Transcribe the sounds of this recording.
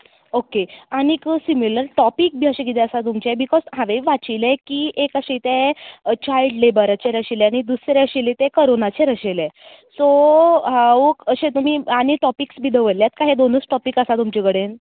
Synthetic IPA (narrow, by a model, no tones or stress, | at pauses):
okeaɽikəsimiləɾʈɔpik̚bʱiaɕeɡid̪eəsat̪̬umt͡ɕebikɔzɦaʋeʋat͡ɕilẽkiːʔekəɕet̪ẽt͡ɕailɖlebəɾat͡ɕeɾəɕileaɽ̃id̪usɾeəɕilet̪ekəɾonat͡ɕeɾəɕelẽ | soɦaʋəkəɕẽt̪um̤iːaɽ̃iʈɔpiksbʱiːd̪əʋəɾljat̪kaɦed̪onəsʈɔpikəsat̪umt͡ɕekəɽen